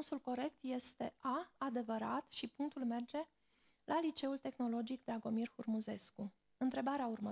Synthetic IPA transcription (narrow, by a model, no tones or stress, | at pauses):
nsulko̞ɾe̞k̚t̪je̞st̪e̞ʔaad̪e̞vəɾa̰t̪ʃipuŋk̚t̪ulme̞rd͡ʒe̞ | lʔalit͡ʃe̞ult̪e̞xno̞lo̞d͡ʒik̚d̪ɾaɡo̞mirhurmuze̞sku | ɨnt̪ɾe̞baɾeaurmə